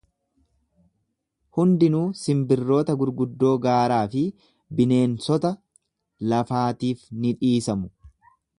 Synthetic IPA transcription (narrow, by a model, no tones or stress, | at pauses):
hʊnd̪ɪnuːsɪmbɪrːo̞ːt̪ɐɡʊɾɡʊd̪ːo̞ːɡaːɾaːfɪ | bɪne̞ːnsɔt̪ɐ | lɐfaːt̪iːfnɪᶑiːsɐmʊ̥